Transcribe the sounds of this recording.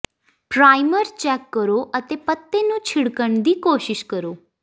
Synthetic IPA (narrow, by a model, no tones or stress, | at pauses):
pɾaːɪməɾt͡ʃɛːkːəɾoːʔət̪eːpət̪ːeːnũːt͡ʃʰɪɽkəɳd̪iːkoːʃɪʃkəɾoː